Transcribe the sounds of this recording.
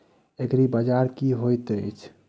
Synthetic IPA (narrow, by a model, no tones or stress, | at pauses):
ekɾibəd͡ʒaɾkiɦojt̪ət͡ʃʰ